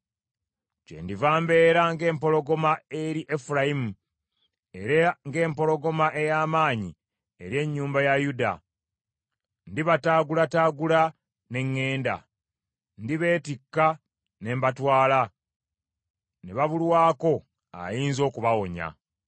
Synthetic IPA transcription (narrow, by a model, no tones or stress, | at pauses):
t͡ʃḛndivaːmbe̞ːɾaŋɡe̞ːmpo̞lo̞ɡo̞mae̞ɾiʔefuɾajimu | e̞ɾaŋɡe̞ːmpo̞lo̞ɡo̞maʔe̞jaːmaːɲi | eɾje̞ɲːuːmbajajuda̰ | ndiβataːɡulataːɡula | ne̞ŋːe̞ːnda̰ | ndiβe̞ːtikːa | ne̞mbatwaːla | neβaβulwaːko̞ | a̰jiːnzo̞ːkuβawo̞ɲa̰